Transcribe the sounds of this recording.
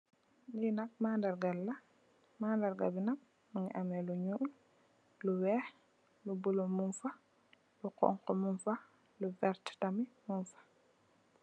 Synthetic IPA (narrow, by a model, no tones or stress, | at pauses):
ninak̚mandaɾɡalːa | maːndaɾɡa̰binak̚ | muŋḭʔamɛluɲul | luwɛh | lubulomunfa | luqɔ̰ŋqɔmunfa | lubɛɾttamimunfḁ